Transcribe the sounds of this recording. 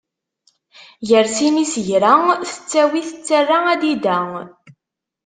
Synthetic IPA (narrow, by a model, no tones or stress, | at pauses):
jəɾsinisʝɾæŋθə̥t͡sːæwiθə̥t͡sːərːaæd̪id̪æŋ